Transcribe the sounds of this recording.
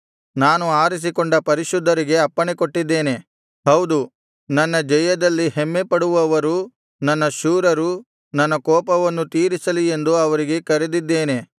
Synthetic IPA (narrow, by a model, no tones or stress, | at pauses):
naːnuaːɾis̬ikoɳɖɐpɐɾiʃud̪ʱːɐɾiɡe̞ɐpːɐɳeko̞ʈːid̪ːe̞ːne̞ | hɐwd̪u | nɐnːɐd͡ʒɛjɐd̪ɐlːihemːepɐɽuʋɐʋɐɾu | nɐnːɐʃuːɾɐɾu | nɐnːɐkɔːpɐʋɐnːut̪iːɾisɐlie̞nd̪uɐʋɐɾiɡe̞kɐɾed̪id̪ːeːne̞